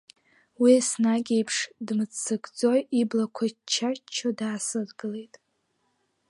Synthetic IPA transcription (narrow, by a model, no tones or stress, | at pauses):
wiasnaɡʲejpʰʂdmɨt͡st͡sʰːɨɡʼd͡zo̞jiblakʷʰat͡ʃʰːat͡ʃʰadaːsɨrɡɨle̞jtʼ